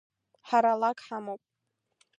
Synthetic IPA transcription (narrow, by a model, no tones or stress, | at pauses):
ħaɾalakʼħamowpʼ